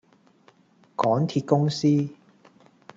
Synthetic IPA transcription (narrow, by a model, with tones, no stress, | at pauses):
kɔː˨˥ŋt̪ʰi˧t̚kʊ˥ŋsiː˥